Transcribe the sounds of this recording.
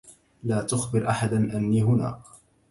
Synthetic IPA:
laːt̪ʊxbɪɾʔaħad̪anʔanːiːɦʊna̰ː

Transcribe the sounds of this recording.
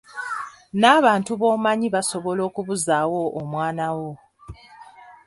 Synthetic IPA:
naːβaːntuβo̞ːmaɲiβaso̞βo̞lo̞ːkuβuzawo̞ʔːmwaːnawo̞

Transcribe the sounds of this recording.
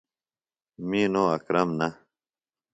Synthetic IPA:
miːnoːɐkɾɐmnɐ

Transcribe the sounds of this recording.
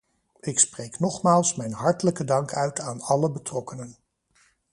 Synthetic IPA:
ɪksprejknɔχmaːlˠsmɛjnɦɑɹtələkədɑŋkœɥtaːnɑləbətrɔkənən

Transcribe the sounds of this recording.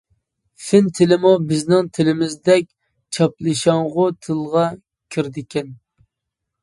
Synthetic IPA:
fɪnt̪ʰɪlɪmubɪznɪŋt̪ʰɪlɪmɪzd̪ɛk̚ʲ | t͡ʃʰɑplˠɨʃɑŋʁʊt̪ʰɨlˠʁɑ | kʲʰiɾd̪ɪkʲʰɛn

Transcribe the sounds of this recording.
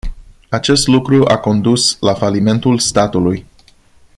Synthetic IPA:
at͡ʃe̞st̪lukɾuʔako̞nd̪uslafalime̞nt̪ulst̪at̪uluj

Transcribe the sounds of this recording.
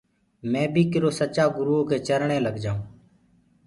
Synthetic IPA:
mɛ̃ːbʱiːkɪɾoːsət͡ʃaːɡʊɾuːõːkeːt͡ʃəɾɳeːləɡd͡ʒaːũː

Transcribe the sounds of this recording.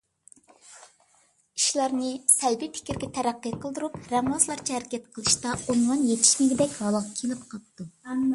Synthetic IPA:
iʃlˠɑɾnɨsɛlbipʰɪ̥kʲɪɾɡʲɛt̪ʰɛɾæqːɨqʰəlˠd̪uɾupɾɛmlˠɑslˠɑɾt͡ʃʰɛɦæɾɪkʲʰɛt̪qʰəlˠɨʃt̪ɑonwɑnjet̪ʰi̥ʃmɪɡʲɪd̪ɛkʲhɑlˠɑqkʲʰelɪpqʰɑp̚t̪u

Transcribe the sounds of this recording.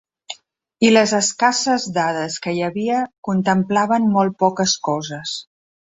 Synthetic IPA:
iləzəskasəzd̪aðəskəjəβiəkunt̪əmplaβəmmɔl̚ˠpɔkəskɔzəs

